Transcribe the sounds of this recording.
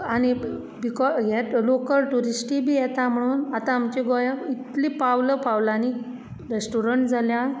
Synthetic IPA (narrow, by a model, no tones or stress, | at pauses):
añi | bikɔjɛlokəlʈuɾisʈibʱiːjɛt̪am̤əɽ̃uːnat̪ãːmt͡ɕeɡojə̃it̪lipawləpawlani | ɾesʈuɾəɳʈd͡zʱalja